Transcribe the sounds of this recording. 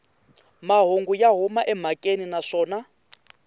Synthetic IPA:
maɦoŋɡujaɦumaʔɛm̤akʼeninaʂɔːna

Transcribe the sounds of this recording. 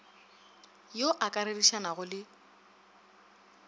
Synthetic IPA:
joʔakʼaɾediʃanaɣʊlɪ

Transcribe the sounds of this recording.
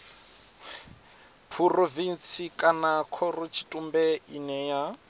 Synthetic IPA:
pʰurovint͡sʰikʼanakʰɔrut͡ʃʰi̥tʼumbɛinɛja

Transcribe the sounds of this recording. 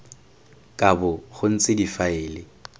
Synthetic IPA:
kʼabʊχʊn̩t͡sʼɪdifaɪːlɪ

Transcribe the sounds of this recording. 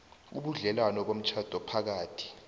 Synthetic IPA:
ṵɓuɮɛlwanɔɓom̩t͡ʃʰad̥ʱɔpʰak̬aːtʰi̥

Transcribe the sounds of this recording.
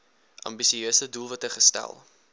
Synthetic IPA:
ʔɐ̰mbisiøːsədulˠvɐtəχəstæ̰lˠ

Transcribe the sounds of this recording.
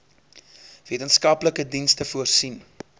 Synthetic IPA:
viətənskɐpləkədinstəfuərsin

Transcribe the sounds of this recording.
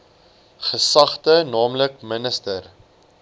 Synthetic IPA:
χəsɐχtənɑːmləkmənəstər

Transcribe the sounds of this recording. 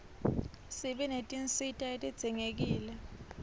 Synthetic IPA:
siɓɛnetʼinsitʼaetʼid̥z̥ʱiŋek̬iːlɛ

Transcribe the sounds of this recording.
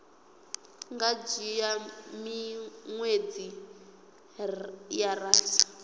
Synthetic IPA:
ŋɡad͡ʒijamiŋwed͡zi | jaraːsḁ

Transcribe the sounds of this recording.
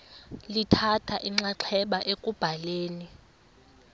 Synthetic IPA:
litʰatʰaʔiŋ͡ǀaǃʰɛɓaʔekʼub̥ʱaleːni

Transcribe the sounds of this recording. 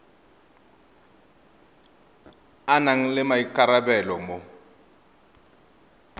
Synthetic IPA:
anaŋ̩lɪmaikʼaɾabɛlɔmo

